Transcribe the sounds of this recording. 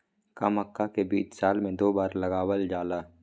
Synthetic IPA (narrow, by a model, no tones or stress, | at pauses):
kɐməkːakebḭːt͡ʃsaːlmẽd̪oːbaːɾlɐɡaːwəld͡ʒaːlaː